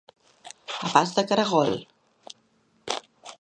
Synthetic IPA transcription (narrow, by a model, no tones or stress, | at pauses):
ɐpast̪ɐkɐɾɐɣol